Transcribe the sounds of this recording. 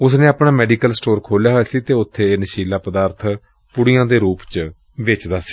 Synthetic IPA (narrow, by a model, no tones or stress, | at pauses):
ʊs̬nẽːaːpɽaːmɛːɖiːkəlsʈoːɾkʰoːljaːɦoaːsiːt̪eːʊt̪ʰːeːnəʃiːlaːpəd̪aːɾt̪ʰ | pʊɽɪjãːd̪eːɾuːpt͡ʃ | ʋɪt͡ʃd̪aːsi̥ː